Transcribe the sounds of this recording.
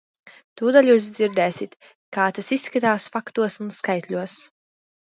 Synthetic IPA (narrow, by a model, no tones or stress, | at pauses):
t̪uːd̪alʲjuːs̬d̪ziɾd̪ɛːsit̪ | kaːt̪asisːkat̪aːsfakt̪uɔsunskajt̪lʲuɔs